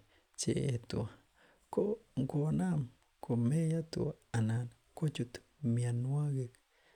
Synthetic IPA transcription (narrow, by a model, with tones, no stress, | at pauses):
t͡ʃḛ˨e˨t̪ṵ˨a˨ | ko˦ŋko˧na˦m | ko˨me˦ja˦t̪ṵ˨a˨nan | ko˦t͡ʃu˧t̪ | mia˧nu˦a˦ɡe˧k